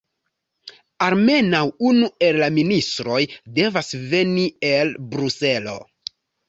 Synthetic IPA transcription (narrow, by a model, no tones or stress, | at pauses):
alme̞nawunue̞lːaministɾo̞jde̞vasve̞nie̞lbɾuse̞lo̞̰